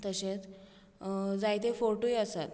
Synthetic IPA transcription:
t̪əɕẽt͡s | d͡zajt̪efoɾʈujəsa̰t̪

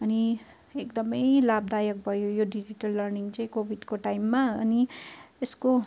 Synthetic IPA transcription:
ʌni | ekd̪ʌmʌjlabd̪ajʌk̚bʱʌjojoɖid͡ʑiʈʌlːʌrniŋt͡saĩkobʱidkoʈajmːaʌ̰niesko

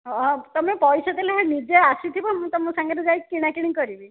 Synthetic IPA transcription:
ɔ̃t̪ɔmepɔjsɔt̪ileɦanid͡ʒeasit̪ʰibɔmũt̪ɔmũsaŋɡɔɾed͡ʒajkiɽ̃akiɽ̃ikɔɾibi

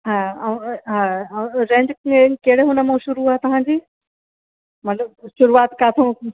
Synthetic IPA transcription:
ɦaːɦaːɦɾẽːɲd͡ʑkeɽeɦʊnəmõʃʊɾuaːet̪ɐʋ̤ãːɲd͡ʑiː | mɐt̪ləb̚ʃʊɾuaːt̪kaːt̪ʰõ

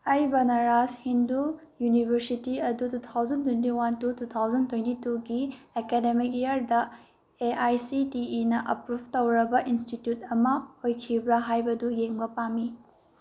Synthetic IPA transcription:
ɐjbɐnɐɾashindu | junibʱɐɾsitiɐdutut̪ʰawzɐntwentiwantutut̪ʰawzɐntwentituɡiekedemik̚ejɐɾdɐ | eajsitiːnɐʔɐpɾub̚ʱtɐwɾɐbɐʔinstitjut̚ɐmɐojkʰibɾɐɦajbɐdujeŋbɐpami

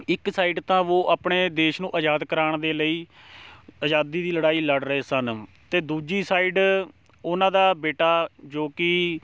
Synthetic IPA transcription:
ɪksaːiːɖt̪ãːʋoːʔaːpɳeːd̪eːʃnũːʔəd͡ʒaːd̪kəɾaːɳ̃d̪eːləiː | əd͡ʒaːd̪iːd̪iːləɽaːiːləɖɾəɦeːsən | t̪eːd̪uːd͡ʒiːsaːiːɖ | ʊnãːd̪aːbeːʈaːd͡ʒoːkɪ

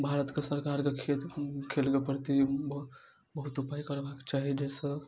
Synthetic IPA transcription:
bʱaɾət̪kesəɾkaɾkekʰet̪kʰelkepəɾt̪i | bəɦut̪upajkəɾbakt͡ʃaɦid͡ʒesə̃

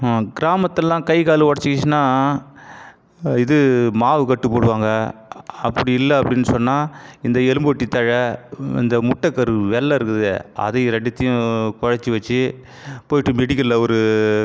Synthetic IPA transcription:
ɡɪɾaːmɐt̪ːɛlːãːkɐɪkaːlɯʋɐɽɐt͡ʃːɯkːɪt͡ʃːnaː | ɪðɯmaːʋɯkɐʈːɯpːoːɽɯʋaːŋɡɐɐpːɐɽiɪlːɐɐpːɐɽɪnːɯsɔnːaːɪnd̪ɐɛlɯmbɔʈːit̪ːɐɻɐɪ̰nd̪ɐmʊʈːɐkːɐɾɯʋɛlːɐɪɾɯkːɯðɛ̰ɐ̰ðɐɪɾɐɖɪt̪ːɪjʊ̃kɔɻɐt͡ʃːiʋɐt͡ʃːɯ | poːjɪʈːɯmɛɽɪkːɐlɔɾɯ

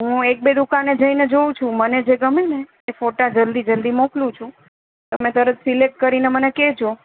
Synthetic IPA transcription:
ɦũek̚bed̪ukaned͡ʒəined͡ʒoũt͡ʃʰũməned͡ʒeɡəmeneː | foʈad͡ʒəld̪id͡ʒəld̪imoklũt͡ʃʰũ | t̪əmẽt̪əɾət̪silek̚ʈ̚kəɾineməneked͡ʒo

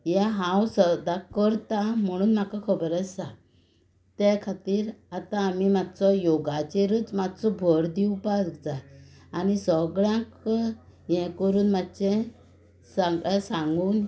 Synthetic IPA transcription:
jɛ̃ɦãwsəd̪akəɾt̪am̤əɽ̃uːnm̤akakʰəbəɾəa | t̪ɛkʰat̪iːɾat̪ãːmimat̪t͡sɔjoɡat͡ɕeɾət͡smat̪t͡sɔbʱɔɽd̪iupakd͡zaː | nisəɡɭjãk | jɛ̃kəɾuːnmat̪ːt͡ɕɛ̃ | sasãŋɡuːn

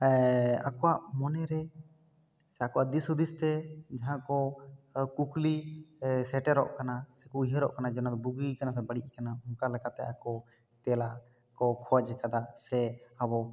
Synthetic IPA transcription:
akɔwaʔmɔnɛɾɛ | sɛakɔwaʔd̪isud̪ist̪ɛd͡ʒaɦãʔkɔ | kuklisɛʈɛɾɔ̰ʔkanasɛkɔiɦəɾɔʔkanad͡ʒɛnad̪ɔbuɡikanasɛbəɽiʔikanaɔŋkalɛkat̪ɛ̰akɔ | t̪ɛla | kɔkʰɔwad͡ʒɛkad̪asɛabɔ

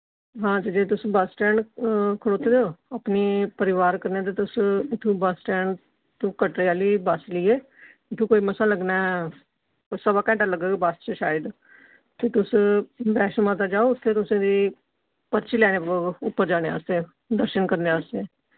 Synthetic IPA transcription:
ɦãːt̪eːd͡ʒeːt̪ʊsĩːbasʈɛːɳkʰəɽoːt̪ʰːeːd̪eoːapniːpəɾɪʋaːɾkəɾneãːt̪̬eːt̪ʊsɪt̪ʰːũːbasʈɛːɳ | t̪õːkəʈɾeaːliːbasliːeː | ɪt̪ʰːũːkoːiːməsãːləɡnaː | səbaːkɛ̃ːʈaːləɡeːɡbəst͡ʃəʃaːəd̪ | t̪eːt̪ʊsbɛːʃmãːt̪̬aːd͡ʒaːoːʊt̪ʰːeːt̪ʊsẽːd̪iː | pəɾt͡ʃiːlɛːneːʊpːəɾd͡ʒaːnea̰ːst̪ẽː | d̪əɾʃənkəɾneaːst̪e

